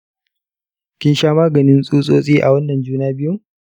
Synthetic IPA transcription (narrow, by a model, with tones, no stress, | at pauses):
kʲɪ˦nʃaː˦maː˦ɡɐ˨nɪ˦nsʼuː˦sʼoː˦sʼiː˦ʔa̰˨wɐ˦nːɐ˨nd͡ʒuː˦naː˦bɪ˦ju˦